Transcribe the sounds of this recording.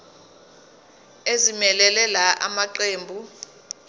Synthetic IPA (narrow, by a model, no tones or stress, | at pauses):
ezimɛlɛlɛlaʔa̰maǃeːmbʱu